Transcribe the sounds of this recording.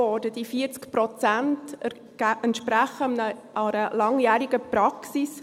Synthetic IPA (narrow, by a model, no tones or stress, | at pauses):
ɔːɾdəd̥ifiəɾt͡skpɾɔt͡sænt | ɛntʃpɾæχəəʔɑɾəlɑŋjæːɾiɡ̥əpɾɑksis